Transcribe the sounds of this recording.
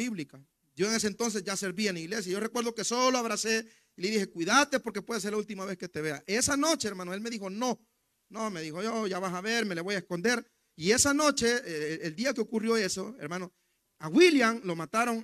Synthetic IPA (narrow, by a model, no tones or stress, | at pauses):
iβlika | ɟ͡ʝo̞eŋe̞s̬ent̪o̞ns̬e̞sʝase̞ɾβieniɣle̞s̬jajo̞re̞kwe̞ɾðo̞ke̞so̞loaβɾase | ileðixe̞kwiðat̪epo̞ɾke̞pwe̞ðes̬eɾlault̪̬imaβe̞ske̞t̪eβeaʔesano̞t͡ʃe̞eɾmãnoelme̞ðixo̞no̞ | nomeðixo̞ʝoʝaβasaβe̞ɾme̞leβo̞jaesko̞nd̪e̞ɾ | ie̞sano̞t͡ʃe̞eld̪iakeokurjo̞e̞so̞ḛɾmano | awiljaŋlo̞mat̪aɾo̞ŋ